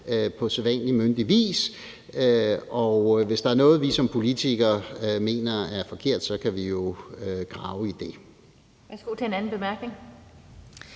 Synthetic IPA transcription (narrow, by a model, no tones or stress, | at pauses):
øpʰɒ̽seʋænlimønd̥iʋḭːs | øɒʊʋe̝sd̥ɑ̈æɐnɔ̽ːð̞̩ˠʋisɒ̽mpʰo̝lit͡sʰiɡ̥ɐme̝̰ːnɐæɐfɒ̽kʰe̝ɐ̰d̥sɒ̽kʰæʋijo̝øɡ̥ʁɑ̈ʊəid̥e̝ | æsɡ̥o̰t͡sʰeenænn̩b̥e̝mæɐɡ̥ne̝ŋ